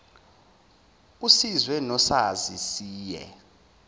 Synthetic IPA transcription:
usizwɛnɔsazisiːjɛ̰

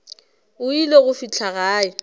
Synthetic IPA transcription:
ʊileɣʊfit͡ɬʰaɣaːɪ

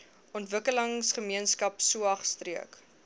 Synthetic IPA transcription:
ɔntvəkələŋsχəmiənskɐpsuɐχstriək

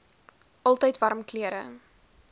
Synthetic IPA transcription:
ʔɑlˠtəjtvɐɾmkliəɾə̰

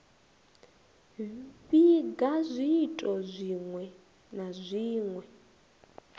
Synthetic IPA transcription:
βiɡazʷiːtʼɔzʷiŋwɛ | nazʷiːŋwɛ

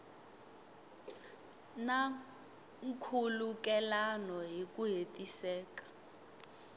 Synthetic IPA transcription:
na | ŋ̩kʰuluk̬ʼɛlanɔɦik̬ʼuɦetʼisɛːkḁ

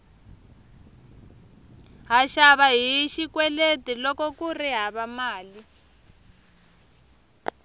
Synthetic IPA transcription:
ɦaʃaβaɦiʃikwɛletilɔkɔkuriɦaβamaːli

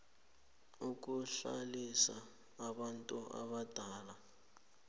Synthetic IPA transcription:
uk̬uɬa̰lisaː | ɓantʼuʔa̰βad̥ʱaːla

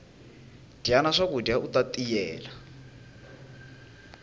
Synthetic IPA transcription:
d̥ianaʂakudjaut̪at̪ʼijɛːla

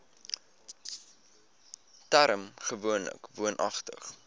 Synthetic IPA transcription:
tæɾəmχəvuənlə̰kvuənʔɐχtə̰χ

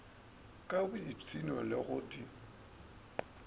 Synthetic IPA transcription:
kʼabʊit͡sʰinɔ̰lɪɣʊtʼi

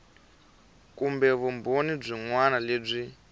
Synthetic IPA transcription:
kumbɛβumbonib͡ʐʷiŋwanaleːb͡ʐi

